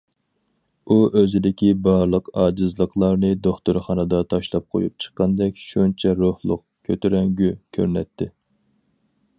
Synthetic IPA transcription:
uʔøzɪd̪ɪkʲibɑɾlˠəqɑːd͡ʒɨzlˠəqʰlˠɑɾnɨd̪oχt̪uɾχɑnɨd̪ɑt̪ʰɑʃlˠɑp̚qʰo̰jup̚t͡ʃʰə̥qːɑnd̪ɛkʲʃunt͡ʃʰɛɾohlˠʊ̰q̚ | kʲʰøt̪yɾɛŋɡʲykʲʰø̰ɾnɛt̪ʰːɪ

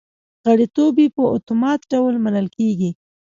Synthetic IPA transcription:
ɣaɽet̪obipəot̪omɑt̪ɖawlmanəlkeɡi

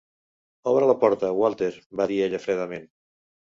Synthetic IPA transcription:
ɔβɾələpɔɾt̪əwalˠt̪eɾbaðieʎəfɾɛðəmen

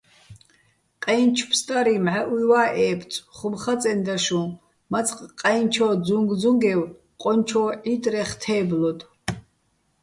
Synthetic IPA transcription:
qʼɛjnt͡ʃʰpʰst̪ʼaɾimʕaʔujwaːʔɛːpʰt͡sʼχʊmχat͡sʼɛnd̪aʃu | mat͡sʼqʼqʼajnt͡ʃʰɔd͡zuŋɡd͡zuŋɡɛw | qʼɔnt͡ʃʰɔʕit̪ʼrɛχt̪ʰɛːblɔt̪ʼ

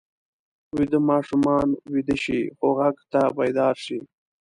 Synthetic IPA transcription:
wid̪əmɑːʂumɑːnwid̪əʃixoɣaɡt̪abajd̪ɑːɾʂi

